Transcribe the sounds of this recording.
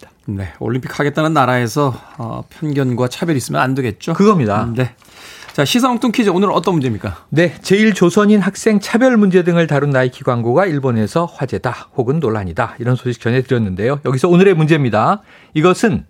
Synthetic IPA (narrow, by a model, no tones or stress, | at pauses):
ne̞o̰ɭːimpʰi̥k̚haɡe̞t̚t͈anɯnːaɾae̞sʰʌ̰pʰjʌnɡjʌnɡwat͡ɕʰabjʌɾis͈ɯmjʌnandɯɡe̞t̚t͡ɕ͈okɯɡʌmɲidane̞ | t͡ɕaɕʰisʰaŋk̚t͈ʰoŋkʰid͡ʑeonɯɾʌt͈ʌnmund͡ʑemɲik͈ane̞t͡ɕe̞iɭt͡ɕosʰʌɲinɦak̚s͈e̞ŋt͡ɕʰabjʌɭmund͡ʑe̞dɯŋɯɭtaɾunːaikʰiɡwaŋɡoɡaiɭbone̞sʰʌɸwad͡ʑe̞dahoɡɯnːoɭːaɲidaiɾʌnsʰoɕʰi̥k̚t͡ɕ͈ʌnɦe̞tɯɾjʌnːɯnde̞jojʌɡisʰʌonɯɾe̞mund͡ʑemɲida | iɡʌsʰɯn